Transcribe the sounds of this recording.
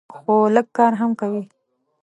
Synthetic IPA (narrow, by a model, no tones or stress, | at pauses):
xoləɡ̚kɑɾɦamkawi